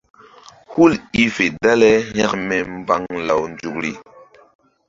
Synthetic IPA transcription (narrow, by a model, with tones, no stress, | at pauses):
hu˦li˦fe˨da˦le˦ha˦kmɛ˨m˦ba˦ŋla˨wnd͡ʒu˨kɾḭ˨